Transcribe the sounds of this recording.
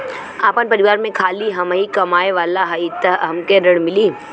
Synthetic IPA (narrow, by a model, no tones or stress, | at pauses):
aːpənpɐɾɪʋaːɾmẽkʰaːliɦɐmaikɐmaːeʋaːlaɦɐit̪əɦɦəmkeɾəɽ̃mɪliː